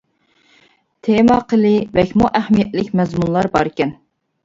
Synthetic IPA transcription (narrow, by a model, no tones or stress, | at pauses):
t̪ʰemɑqʰəlɨvɛkʲmuʔæhmijɛt̪lɪkʲmɛzmunlˠɑɾbɑɾɪkʲɛn